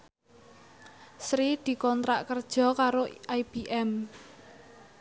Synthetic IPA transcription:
sɾid̪̥i̤kɔnt̪ɾaʔkərd̥ʒ̥ɔ̤kaɾoʔajb̥iʔɛm

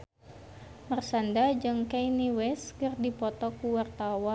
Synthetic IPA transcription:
mərsandad͡ʒɨŋkajniwɛskɨrdipɔt̪ɔkuwart̪awa

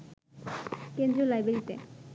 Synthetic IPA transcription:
kẽnd̪ɾiolajbeɾit̪ḛ

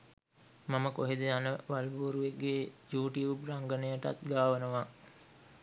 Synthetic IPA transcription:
maməkoɦed̪əjanəʋalbuːɾuʋeɡːejuːʈiʋupraŋɡənəjəʈa̰t̪ɡaːʋənəʋa

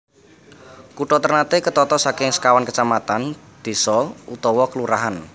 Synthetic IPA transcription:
kuʈɔt̪ərnat̪ekət̪ɔt̪ɔsakɪŋsə̥kawankət͡ʃamat̪an | d̪̥e̤sɔut̪ɔwɔkəluɾaɦan

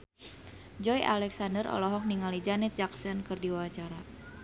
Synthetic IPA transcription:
d͡ʒɔjʔa̰lɛksandərɔ̰lɔɦɔk̚niŋalid͡ʒanɛt̪̚d͡ʒaksənkɨrdiwaɲt͡ʃaɾa

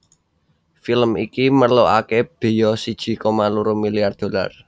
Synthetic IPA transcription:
filmikimərloakeb̥e̤jɔsid̥ʒ̥i̤komaluɾumilijard̪̥o̤la̰r

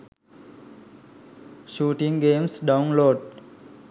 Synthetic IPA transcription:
ʃuːʈĩŋɡẽmsɖawnloːɖ

